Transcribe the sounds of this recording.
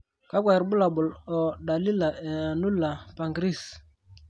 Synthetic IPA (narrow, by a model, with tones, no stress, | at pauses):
ka˦ka˨i˨ɾbʊ˦la˨bʊ˨lɔ˨ɗa˨li˦la˨ɛ˨a˨nu˦la˨pa˨ŋɡɾi˦˨s